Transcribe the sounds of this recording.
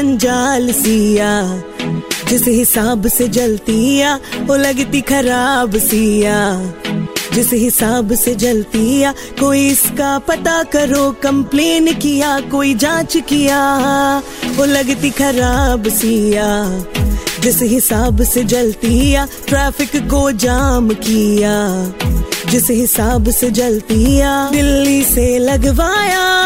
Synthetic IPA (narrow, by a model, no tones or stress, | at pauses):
ɐ̃ɲd͡ʒaːlsijaː | d͡ʒɪsɦɪsaːbsed͡ʒɐlt̪iɦjaːolɐɡt̪ikʰɐɾaːbsijaː | d͡ʒɪsɦɪsaːbsed͡ʒɐlt̪ijaː | koːiɪskapɐt̪akɐɾoːkɐ̃mpleːnkɪjaːkoːid͡ʒãːt͡ʃkijaː | oːlɐɡt̪ikʰɐɾaːbsiːjaː | d͡ʒɪsɦɪsaːbsed͡ʒɐlt̪iɦjaː | ʈɾaːfɪkːod͡ʒaːmkijaː | d͡ʒɪsɦɪsaːbsed͡ʒɐlt̪ijaːd̪ɪlːiselɐɡʋaːjaː